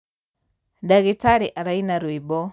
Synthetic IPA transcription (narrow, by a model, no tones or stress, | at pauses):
daɣitaɾiʔaɾainaɾwibɔ